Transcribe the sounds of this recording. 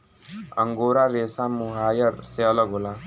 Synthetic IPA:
ə̰ŋɡoːɾaɾesamuɦaːjəɾseləɡɦola

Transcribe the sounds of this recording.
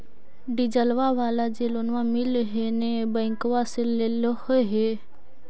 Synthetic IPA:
ɖid͡ʒəlʋaʋaːlad͡ʒeːlonʋãmɪlɦenebə̃ːŋkʋaseleləhɦe

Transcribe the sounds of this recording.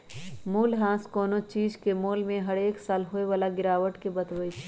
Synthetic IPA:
muːlɦãːskɔːnot͡ʃiːd͡ʒkemoːlmẽɦəɽeːksaːlɦoːeʋaːlaɡɪɾaːʋəʈkebət̪ʋəit͡ʃʰ

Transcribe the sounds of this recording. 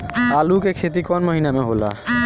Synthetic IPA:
alukekʰet̪̬ikɔnmoɦinameɦola̰

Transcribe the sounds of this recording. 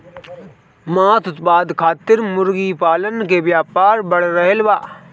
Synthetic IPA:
maːt̪ʊt̪paːd̪kʰaːt̪ɪɾmʊɾɡipaːlənkeʋjaːpaːɾbɐɽ̤ɾəɦelbaː

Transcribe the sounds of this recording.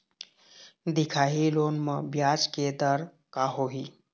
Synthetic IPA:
d̪ikʰaɦilonməbjad͡ʒked̪əɾ | kaɦoɦi

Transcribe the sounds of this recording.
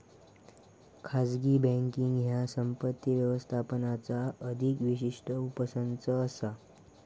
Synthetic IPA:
kʰad͡zɡibɛ̃ŋkiŋɡɦjasəmpət̪ːiʋjəʋəst̪ʰapənat͡saəd̪ʱikʋiɕiʂʈʰəupəsənt͡səːsa

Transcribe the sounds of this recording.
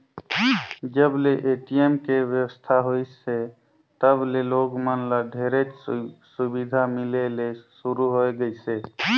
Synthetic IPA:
d͡ʒəbleʔeʈiemkeʋjəwəst̪ʰaɦoise | t̪əbleloɡmənləɖʱeɾet͡ʃsubid̪ʱamilelesuɾuɦojɡəjse

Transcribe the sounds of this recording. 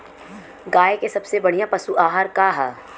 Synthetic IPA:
ɡaːekesɐbsebɐɽ̤ijãpɐsuʔaːɦaːɾkaɦɛː

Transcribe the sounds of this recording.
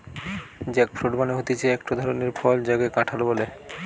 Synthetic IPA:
d͡ʑɛk̚fʰɾoɖbaneɦot̪et͡ɕʰeɛkʈod̪ʱɔɾoneɾpʰɔld͡ʑaɡekaʈʰalobole

